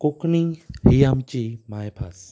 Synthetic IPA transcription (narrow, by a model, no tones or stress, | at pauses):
koknĩhiamt͡ʃemaːepʰas